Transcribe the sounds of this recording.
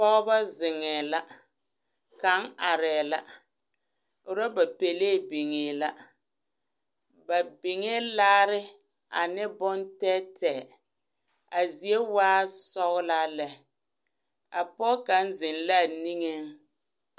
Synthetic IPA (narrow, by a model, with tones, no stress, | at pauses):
pɔ˦ɣba˦zɪ˨ŋɛː˨la˦ | ka˨˦ŋa˨ɾɛː˨la˦ | ʊ˨ɾa˦ba˨pe˨leː˦˨be˨ŋeː˨la˦ | ba˨bɪ˨ŋe˦laː˦ɾɪ˦ | a̰˨nɪ˦bɔ˦ntɛ˦tɛ˨ | a˨zi˨e˦waː˦sɔ˦ɣla˦lɛ˦ | a˨pɔ˦ka˨˦n˦zɪ˨nla˦˨ni˦ŋe˦ŋ